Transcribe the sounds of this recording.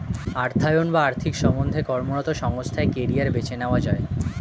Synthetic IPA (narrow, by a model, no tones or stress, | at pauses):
aɾt̪ʰajonbaaɾt̪ʰikʃɔmond̪ʱekɔɾmonɔt̪oʃɔŋost̪ʰaekeɾiaɾbet͡ɕenaoad͡ʑɔe